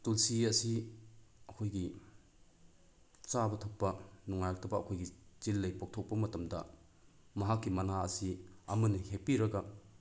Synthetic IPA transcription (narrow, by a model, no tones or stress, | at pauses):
tulsiɐsi | ɐkʰojɡi | t͡ʃabɐtʰɐk̚pːɐnɔŋːajak̚tʰɐbɐːkʰojɡit͡ʃilːɐjpok̚tʰok̚pɐmɐtɐmdɐ̰ | mɐɦakːimɐnaɐsiɐmɐnihek̚piɾɐɡɐ